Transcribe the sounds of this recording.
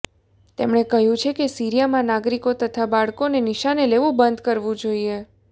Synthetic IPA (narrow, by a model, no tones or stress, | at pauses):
t̪emɳ̃ekəɦjũt͡ʃʰekesiɾijamãnaɡɾikot̪ət̪ʰabaɭkoneniʃaneleʋũbənd̪kəɾʋũd͡ʒoie